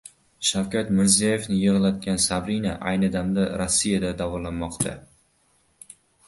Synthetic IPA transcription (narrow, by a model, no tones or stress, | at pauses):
ʃawkʲʰat̪mɪɾzijaje̞fnɪjɨʁɨlˠad̪̚ɡʲansabɾinaʔajnɪd̪amd̪aɾosːijad̪ad̪avɒlanmɒqt̪ʰa̰